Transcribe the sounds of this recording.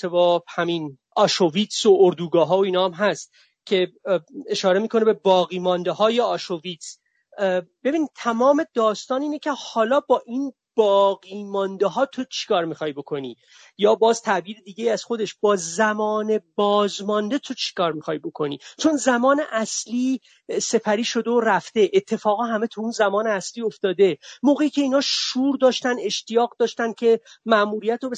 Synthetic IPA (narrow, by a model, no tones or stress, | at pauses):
ebɒːbhæmin | ɒːʃoviːt̪sooɾd̪uːɡɒːɦɒːoiːnɒːmɦæst̪ | cʰe̞eʃɒːɾe̞miːkʰo̞ne̞be̞bɒːɣiːmɒnd̪ehɒːjeɒːʃoviːt̪s | b̥e̞biːniːd̪̚t̪ʰæmɒːme̞d̪ɒːst̪ɒːniːnecʰe̞hɒːlɒːbɒːʔiːn | b̥ɒːɣiːmɒnd̪eɦɒːt̪ʰot͡ʃʰe̥kʰɒːɾmiːxɒːjbo̞kʰo̞niː | jɒːbɒːz̥t̪ʰæʔbiːɾe̞d̪iːɟe̞jiːæz̥xo̞d̪eʃb̥ɒːzæmɒːne̞bɒːzmɒnd̪e̞t̪ʰo̞t͡ʃʰi̥kʰɒːɾmixɒːjbo̞kʰo̞nḭːt͡ʃʰo̞nzæmɒːne̞ʔæsliː | se̞pʰæɾiːʃo̞d̪eoɾæft̪e̞ʔet̪ʰːe̞fɒːɣɒːɦæme̞t̪ʰuunzæmɒːneæsliːo̞ft̪ɒːd̪e̞moːɣe̞iːcʰʲe̞iːnhɒːʃuːɾd̪ɒːʃt̪ænd̪e̞ʃt̪ijɒːɣd̪ɒːʃt̪ænd̪̥̚cʲʰe̞mæʔmuːɾijæt̪ɾobe